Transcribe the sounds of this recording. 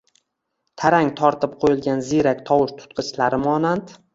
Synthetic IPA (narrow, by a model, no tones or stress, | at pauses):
t̪ʰaɾaŋt̪ʰɒɾt̪ɪp̚qʰojɪlˠɡʲanziɾak̚ʲt̪ʰɒwɪʃt̪ʰʊ̥t̪qʰɨt͡ʃlaɾɪmɒnant̪